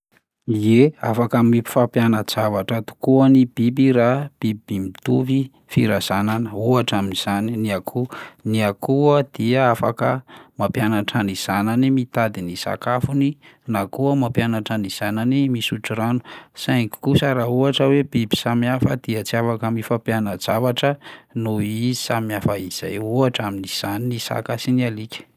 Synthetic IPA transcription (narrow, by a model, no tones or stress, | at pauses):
ieafakamipi̥fapjanəz̥avaʈ͡ʂat̪u̥kuənibibiɾab̥ibimit̪uvi | fiɾaz̥ananəuaʈ͡ʂaminiz̥aniniakʰuniakuəd̪̥iəafakəmapjanaʈ͡ʂaniz̥ananimit̪ad̪inisa̰kafuninakuəmapjanaʈ͡ʂaniz̥ananimisuʈ͡ʂuɾanu̥saŋki̥kusaɾauaʈ͡ʂəwebibi̥samiafəd̪̥iət͡siafakəmifapjanad͡zavaʈ͡ʂənuiizi̥samiafəiz̥ajuaʈ͡ʂaminiz̥aninisa̰kasinialikʲə̥